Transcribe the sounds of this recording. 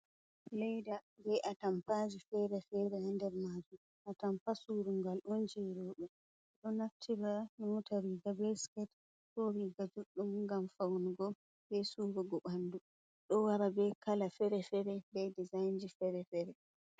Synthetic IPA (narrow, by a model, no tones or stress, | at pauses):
lɛjdabɛʔatampad͡ʒifɛɾɛfɛɾɛhandɛɾmad͡ʒum | ʔatampasuɾuŋɡalʔɔnd͡ʒiɾɔɗɔ | ɗɔnaftʰibanɔtaɾiɡabɛskɛt | kɔɾiɡad͡ʒuɗːumŋɡamfawnuɡɔ | bɛsuɾuɡɔɓandu | ɗɔwaɾabɛkalafɛɾɛfɛɾɛbɛdizajnd͡ʒifɛɾɛfɛɾɛ